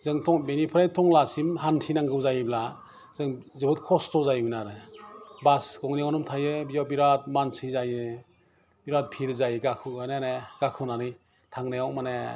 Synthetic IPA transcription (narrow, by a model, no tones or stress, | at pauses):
z̥ɯŋtʰɔŋbenipʰɾajtʰɔŋlasimɦantʰinaŋɡɯwzajbla | zɯŋzɯbɯt̚kʰɔstʰɔzajminaɾɯbasɡɔŋnijawnɔmtʰajɯbijawbiɾat̚mansɯzajɯ | biɾat̚pʰiɾzajɯɡakʰɯajneneɡ̥akʰɯnanɯj | tʰaŋnajawmane